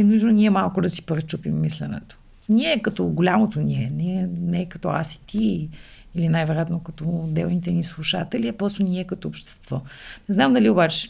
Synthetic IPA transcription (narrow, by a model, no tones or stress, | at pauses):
ɛnuʒnonʲiɛmalˠkʊd̪ɐsi̥pɾɛt͡ʃupimːislɛ̰nɛ̰t̪o̥ | nʲiɛkɐt̪ɔɡʊlʲamot̪onʲiɛnɛɛnɛːkɐt̪ɔa̰si̥t̪ʰiː | linajvɛɾjat̪nokɐt̪ɔd̪ɛ̰lˠnit̪ɛnislˠuʃat̪ɛliɛpɾɔst̪onʲiɛkɐt̪ɔːpʃt̪ɛ̥st̪v̥ɔnɛznamd̪ɐliobat͡ʃɛ̥